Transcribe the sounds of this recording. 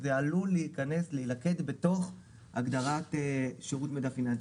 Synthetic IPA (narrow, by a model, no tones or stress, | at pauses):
zealuleikane̞sleilake̞dbe̞to̞χ | ha̰ɡd̪aʁateʃeʁutmedafina